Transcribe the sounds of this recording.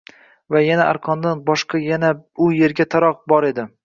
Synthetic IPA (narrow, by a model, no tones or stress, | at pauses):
vajanaʔa̰ɾqʰɒnd̪anbɒʃqɑjanaʊje̞ɾɡʲat̪ʰaɾɒq̚bɒɾe̞d̪ɪ